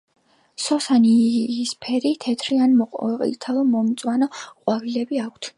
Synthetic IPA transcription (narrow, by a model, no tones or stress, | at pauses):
sɔsaniispʰɛɾit̪ʰɛt̪ʰɾianmɔḭt̪ʰalˠɔmɔmt̪sʼwanɔqʼwaɾilɛbiakʷʰt̪ʰ